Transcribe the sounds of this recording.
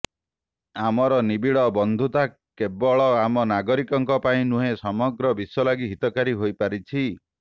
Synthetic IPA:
amɔɾɔnibiɭɔbɔnd̪ʱut̪a | kebɔɭɔamɔnaɡɔɾikɔŋkɔpaĩnuɦesɔmɔɡɾɔbisɔlaɡiɦit̪ɔkaɾiɦojpaɾit͡ʃʰi

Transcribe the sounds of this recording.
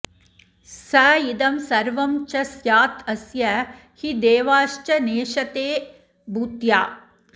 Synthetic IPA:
sɐjid̪ɐmsɐɾʋɐmt͡ʃɐsjaːt̪ʰɐsjɐ | hid̪eːʋaːʃt͡ʃɐneːʃɐt̪eː | buːt̪jaː

